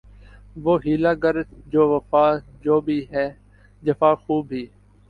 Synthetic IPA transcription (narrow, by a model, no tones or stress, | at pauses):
ʋoːɦiːlaːɡəɾt̪d͡ʒoːʋəfaːd͡ʒoːbʱiːɦɛː | d͡ʒəfaːxuːbʱɦiː